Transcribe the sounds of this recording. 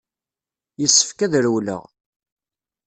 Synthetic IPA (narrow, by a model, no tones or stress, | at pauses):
jəsːə̥fkæðɾwlə̰ʁ